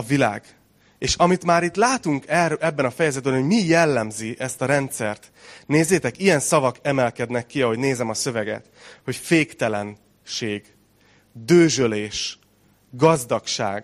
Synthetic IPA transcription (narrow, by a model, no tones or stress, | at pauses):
ɒvila̰ːɡ | eːʃɒmit̪maːɾit̪laːt̪uŋkɛrɛbːɛnɒfɛjɛzɛd̪̚bɛnhoɟmijɛlːɛmziʔɛst̪ɒɾɛnt̪sɛrt̪ | neːzːeːt̪ɛkijɛnsɒvɒkɛmɛlkɛd̪nɛkːiɒɦo̞ɟneːzɛmɒsø̞vɛɡɛ̰t̪ho̞cfeːkt̪ɛlɛn | ʃeːɡ | d̪øːʒøleːʃ | ɡɒzd̪ɒkʃa̰ːɡ